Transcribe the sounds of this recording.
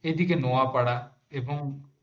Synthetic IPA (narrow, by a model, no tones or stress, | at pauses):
ed̪ikenoapɐɽa | ebəŋ